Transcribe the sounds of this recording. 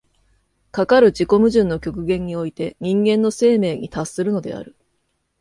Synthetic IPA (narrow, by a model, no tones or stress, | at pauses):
kakaɾɯ̟d͡ʑiko̞mɯ̟ʑɨ̃nːo̞kʲo̞kɯ̟ɡẽ̞ɲ̟ːio̞it̪e̞ɲ̟ĩŋɡẽ̞nːo̞se̞ːme̞ːɲ̟it̪asːɨɾɯ̟no̞d̪e̞̰a̰ɾɯ̟